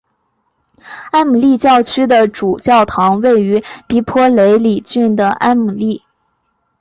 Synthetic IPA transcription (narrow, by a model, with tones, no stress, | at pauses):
a˥nmu˨˩li˥˧t͡ɕjɑ˥˩ʊt͡ɕʰy˥d̪ə˨ʈ͡ʂu˨˩t͡ɕjɑ˥˩ʊt̪ʰɑ˧˥ŋwe˥˩ɪy˧˥t̪i˧˥pʰwɔ˥le˧˥ɪli˨˩t͡ɕy˥˩nd̪ə˩ʔa˥nmu˨˩li˥˩